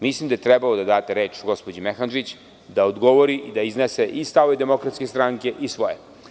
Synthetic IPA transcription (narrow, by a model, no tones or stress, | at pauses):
mislˠimd̪ajt̪ɾɛbalod̪ad̪aːt̪eɾeːt͡ʃɡo̞spod͡ʑimexand͡ʒit͡ɕ | d̪aod̪ɡo̞ʋoɾiʔid̪aizneseʔist̪aːʋed̪e̞mo̞kɾat̪skʲest̪ɾaːŋke̞ʔisʋo̞je